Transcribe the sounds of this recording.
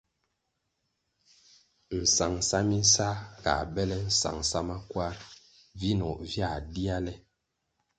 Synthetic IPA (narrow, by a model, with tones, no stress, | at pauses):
n̩˨sa˨ŋsa˦mi˦n˦sa˦ka̰˨bɛ˦lɛ˦n̩˦sa̰˨ŋsa˦ma˦kwa˦ | vi˦nɔ˨ʔvja˦˨di˦a˦lɛ˦